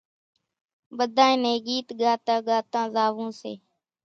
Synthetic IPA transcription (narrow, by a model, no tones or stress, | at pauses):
bəd̪ʱãːẽːneːɡiːt̪ɡaːt̪ãːɡaːt̪ãːzaːʋõːsḛː